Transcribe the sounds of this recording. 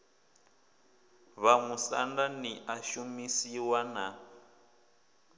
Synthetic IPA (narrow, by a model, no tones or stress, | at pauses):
βamusa̰ndaniʔaʃumisiwana